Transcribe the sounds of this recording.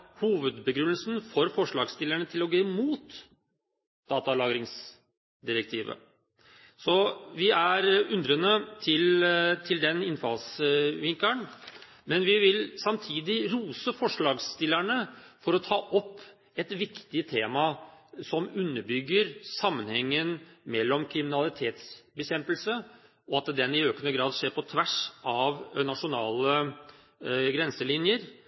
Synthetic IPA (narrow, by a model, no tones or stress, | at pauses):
huːʋəd̪bəɡɾʉnːəlsn̩fɔɾfɔʂɭɑːɡst̪ɪlːəɳət̪ʰɪlɔɡøːmuːt̪ | d̪ɑːt̪ɑlɑːɡɾɪŋs | d̪ɪɾək̚t̪ʰiːʋə̰ | sɔʋɪæɾʉnd̪ɾənət̪ʰɪlt̪ʰɪld̪ɛnɪnfɑ̰lsʋɪŋk̪əɳ | mɛnʋɪʋɪlsɑmt̪ʰiːd̪ɪɾuːsəfɔʂɭɑːɡst̪ɪlːæɳəfɔɾɔt̪ʰɑːʔɔpː | ɛt̪ʋɪkt̪ɪət̪ʰeːmɑsɔmʉnːəɾbʏɡːəɾsɑmːənhɛŋːənmɛlːɔmkʰɾɪmɪnɑlɪt̪ʰeːt̪sbəçɛmpəlsə | ɔɑt̪̚ɛd̪ɛnɪøːkənəɡɾɑːd̪ʂeːɾpɔt̪ʰʋæʂɑʋnɑʂʊnɑ̰ːlə | ɡɾɛnsəlɪnjəɾ